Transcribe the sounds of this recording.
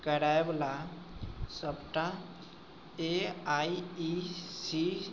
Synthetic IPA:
kəɾajbla | səpʈã | eaiisi

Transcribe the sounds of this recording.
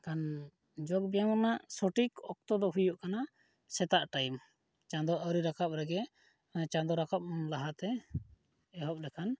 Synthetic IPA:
kan | d͡ʒɔɡ̚bɛjaŋnaʔsɔʈikɔk̚t̪ɔd̪ɔɦujuʔkana | sɛt̪aʔʈajm | t͡ʃãnd̪ɔʔəwɾiɾakap̚ɾɛɡɛ | t͡ʃãd̪ɔɾakap̚munlaɦat̪ɛ | ɛɦɔp̚lɛkʰan

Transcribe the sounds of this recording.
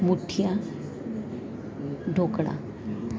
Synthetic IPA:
muʈʰija | ɖʱokɽa̰

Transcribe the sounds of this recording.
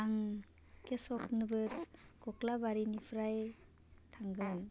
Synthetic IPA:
aŋ | kesɔknɯbɯɾkɔklabaɾinipʰɾaj | tʰaŋɡɯl

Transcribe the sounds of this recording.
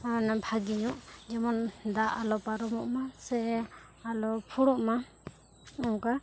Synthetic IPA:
anabʱʰaɡiɲuʔd͡ʒɛmɔnd̪aʔalɔpaɾɔmɔʔmasɛ | alɔpʰuɽɔʔma | ɔŋka

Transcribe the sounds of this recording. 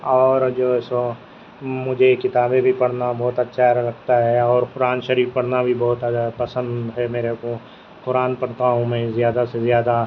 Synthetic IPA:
ɔːɾd͡ʒoːso | mʊd͡ʒʱekɪt̪aːbebʱipɐɽ̤nabɔːt̪ɐtːʃʰaɾɐk̚ʰt̪aɦɛɔːɾpʊɾaːnʃəɾiːfpɐɽ̤nabʱibɔːt̪pɐsə̃nd̪ɦɛmeːɾeko | pʊɾaːnpɐɽt̪aɦũmɛ̃ːzjaːd̪asezjaːd̪a

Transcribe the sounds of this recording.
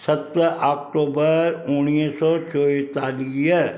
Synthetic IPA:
sɐt̪əɔːk̚ʈoːbəɾʊnisɔt͡ʃoːt̪aːlij

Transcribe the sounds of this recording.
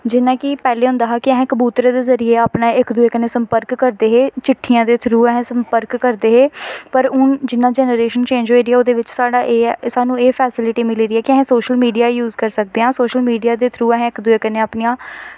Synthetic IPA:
d͡ʒɪnãːkɪpɛːleːɦʊ̃nd̪aːɦaːkɪɛɦɛ̃ːkəbuːt̪ɾeːd̪eːzəɾieːaːpnaːɪkd̪ʊeːkəneːsəmpəɾkːəɾd̪eːɦeːt͡ʃɪʈʰːijãːd̪eːt̪ʰɾuːɛɦɛ̃ːsəmpəɾkːəɾd̪eːɦeːpəɾʊnd͡ʒɪnːaːd͡ʒɛːnəɾeːʃənt͡ʃẽːɲd͡ʒoeːɾiɛːoːd̪eːʋɪt͡ʃsaːɖaːʔeːsaːnũːeːpʰɛːsɪlɪʈiːmɪliːɾiːɛːkɪɛɦɛ̃ːsoːʃəlmiːɖijaːjuːzkəɾsək̚d̪eːɦãːsoːʃəlmiːɖijaːd̪eːt̪ʰɾuːɛɦɛ̃ːɪkd̪ʊeːkəneːaːpnijãː

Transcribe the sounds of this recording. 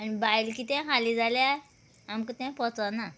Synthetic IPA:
anibailkiːt̪ɛ̃ɦalid͡zalja | amkət̪ɛ̃pɔt͡sana

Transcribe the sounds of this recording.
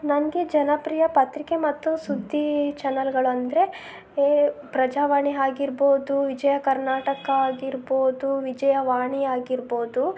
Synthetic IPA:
nɐŋɐɡed͡ʒɐnɐpɾiːjɐpɐt̪ɾike̞mɐt̪ːusud̪ʱːit͡ʃɛnɐlɡɐɭɐnd̪ɐɾe̞ | pɾɐd͡ʒaːʋaːɳiɦaːɡiɾbo̞ːd̪uʋid͡ʒɐjɐkɐɾnaːʈɐkɐaːɡiɾboːd̪uʋid͡ʒɐjɐʋaːɳiaːɡiɾboːd̪u

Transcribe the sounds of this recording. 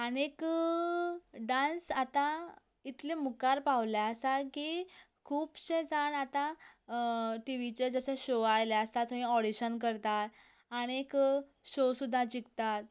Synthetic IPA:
əñek | ɖãnsat̪a | it̪lemukaɾpaʋljaəsakiː | kʰuːpɕẽd͡zaɳat̪ã | ʈiʋit͡ɕed͡zəsə̃ɕoajlaəst̪at̪əĩɔɽiɕənkəɾt̪at̪ | aɽ̃ekɕosud̪ʱːad͡ʑikt̪at̪

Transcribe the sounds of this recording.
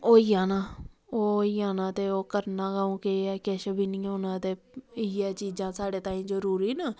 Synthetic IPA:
oːiːãːnaːoːiːãːnãːt̪eːoːkəɾnãːɡaːũːkɪɛkɛːʃəbʱiːnĩːɦoːnãːt̪eː | ɪːɛːt͡ʃiːzãːsaːɽeːt̪aːĩːzəɾuːɾiːnaː

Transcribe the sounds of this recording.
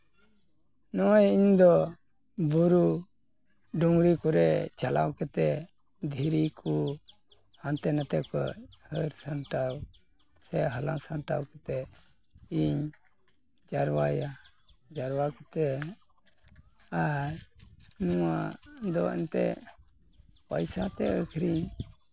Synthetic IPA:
nɔwajiɲd̪ɔ | buɾu | ɖɔŋɡɾikuɾɛt͡ʃala̰wkɛt̪ɛ | d̪ʱiɾiku | hant̪ɛnət̪ɛkɔ̰həɾsənʈaw | sɛɦəlansənʈawkɛt̪ɛ | iɲ | d͡ʒaɾwaja | d͡ʒaɾwakɛt̪ɛ | aɾnuwad̪ɔɛ̰nt̪ɛ | pəjsat̪ɛəkʰɾiɲ

